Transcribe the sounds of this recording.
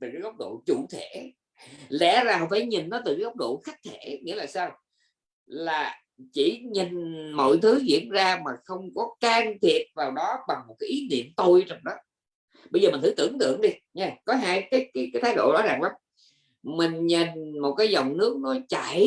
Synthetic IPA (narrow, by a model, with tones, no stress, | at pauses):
t̪ɨ˨˩kaː˨˦jʔə˦˥wk͡p̚ɗo̰˧˨t͡ɕṵ˧˩t̪ʰe˧˩ | lɛ̰˧˥zaː˨˩ɦɔ̰˧˨˩faː˧˩jɲï˨˩n̟nɔ˨˦t̪ɨ˨˩kaː˨˦jə˦˥wk͡p̚ɗo̰˧˨xa˦˥k̚t̪ʰe˧˩ŋḭ˧˥laː˨˩saː˧w | laː˨˩ | t͡ɕi˧˩ɲi˨˩ŋ̟mo̰˧˨jt̪ʰɨ˨˦zḭ˧˥ənzaː˧maː˨˩xə˧wŋ͡mkɔ˨˦kaː˧ŋt̪ʰi˨˩ət̚vaː˨˩wɗɔ˨˦ɓa˨˩ŋmo˨˩t̚kaː˨˦jʔi˨˦nḭ˧˨əmt̪o˧jt͡ɕɔ˧wŋ͡mɗɔ˨˦ | ɓə˧jzəː˨˩mi̟˨˩t̪ɨ˨˦t̪ɨ̰˧˩əŋt̪ɨ̰˧˨əŋɗi˧ɲɛ˧kɔ˨˦ɦaː˧jkaː˨˦jkaː˨˦jkaː˨˦jt̪ʰaː˨˦jɗo̰˧˨ɗɔ˨˦za˨˩ŋʔlaː˨˦m | mï˨˩ŋ̟ɲi˨˩nmo˨˩t̚kaː˨˦jzɔ˨˩wŋ͡mnɨ˦˥ək̚nɔ˨˦t͡ɕa̰˧˩˨